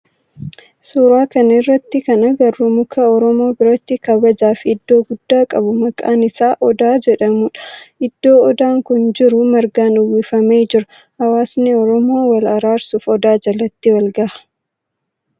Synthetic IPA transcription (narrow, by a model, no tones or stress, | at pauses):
suːɾaːkɐnɐɪrːɐt̪ːɪkɐnɐɡɐrːʊmʊkɐɔɾɔmo̞ːbɪɾɐt̪ːɪkɐbɐd͡ʒaːfɪd̪ːo̞ːɡʊd̪̥ːaːkʼɐbʊmɐkʼaːnɪsaːʔɔd̪aːd͡ʒɛᶑɐmʊːᶑɐ̥ʔɪd̪̥ːo̞ːɔd̪aːŋkʊnd͡ʒɪɾʊmɐɾɡaːnʊwːiːfɐmeːd͡ʒɪɾɐ | hɐwaːsniɔɾɔmo̞ːwɐlɐɾaːɾsuːfɔd̪aːd͡ʒɐlɐt̪ːɪwɐlɡɐʔɐ̥